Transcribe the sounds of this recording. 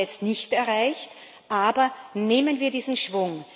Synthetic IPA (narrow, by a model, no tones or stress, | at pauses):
ɛt͡stnɪçtɛɐʁaɪçt | ʔaːbɐneːmənviːɐdiːzn̩ʃv̥ʊŋ